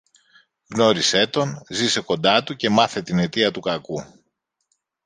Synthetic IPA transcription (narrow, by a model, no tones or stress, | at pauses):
ɣno̞ɾise̞t̪o̞nzise̞ko̞nd̪ɐt̪uce̞mɐθe̞t̪ine̞t̪iɐt̪ukɐku